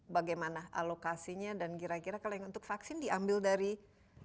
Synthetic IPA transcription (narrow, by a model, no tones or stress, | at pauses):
baɡajmanaʔa̰lokasiɲadankiɾakiɾakalajaŋunt̪ʊkfaksɪndiambɪldaɾi